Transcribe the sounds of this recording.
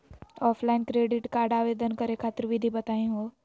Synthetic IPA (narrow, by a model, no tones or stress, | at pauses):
ɔːpʰlaɪnkɾeːɖɪʈkaːɾɖaːʋeːd̪ənkəɾekʰaːt̪ɪɾʋʱid̪ʱibɐt̪aːẽɦoː